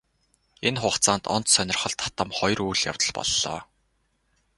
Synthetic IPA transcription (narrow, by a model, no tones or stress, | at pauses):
enχʊːχt͡saːnt̪ɔnt̪sœnʲɪ̆rχɞ̆ɮt̪ʰḁt̪ə̆mχɔjrujɮja̰wt̪ə̆ɮpɔ̰ɮːɔ̰ː